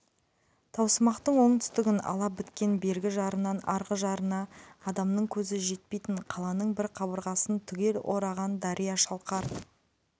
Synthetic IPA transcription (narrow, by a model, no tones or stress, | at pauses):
t̪ʰɑwsəmɑqt̪əɴwo̞ɴt̪ʰʏ̥st̪ɪɡʲɪnɑ̰lˠɑbɪt̪kʲe̞nbe̞ɾɡʲɪʒɑɾənːɑnɑɾʁəʒɑɾənɑːd̪ɑmnəɴkʲʰɵzɪʒe̞t̪̚pejt̪ɪɴqʰɑlˠɑnəɴbɪɾqʰɑβəɾʁɑsənt̪ʰʏɡʲe̞lʔoɾɑʁɑnd̪ɑɾʔijɑʃɑlˠqɑɾ